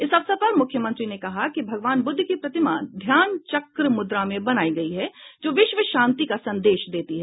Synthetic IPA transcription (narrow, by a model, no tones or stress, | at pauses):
ɪsɐʋsəpɐɾmʊkʰjəmɐ̃nt̪ɾinekɐɦakibʱɐɡʋaːnbʊd̪ʱːkipɾɐt̪ɪma̰d̪ʱjaːnt͡ʃɐkɾəmʊd̪ɾamẽbɐnaːiɡɐiɦɛd͡ʒoːʋɪʃʋəʃãːnt̪ikasɐ̃nd̪eːʃd̪eːt̪iɦɛ